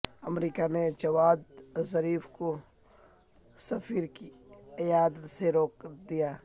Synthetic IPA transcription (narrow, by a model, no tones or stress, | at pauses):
ɐmɾiːkaned͡ʒɐwaːd̪̚zɐɾiːfko | sɐfiːɾkiɪjaːd̪ət̪seɾoːk̚d̪ijaː